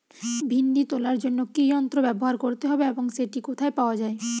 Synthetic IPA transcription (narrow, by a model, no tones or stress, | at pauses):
bʱinɖit̪olaɾd͡ʑonːokiɔnt̪ɾobɛboɦaɾkoɾt̪eɦɔbeeboŋseʈikot̪ʰaepaoad͡ʑae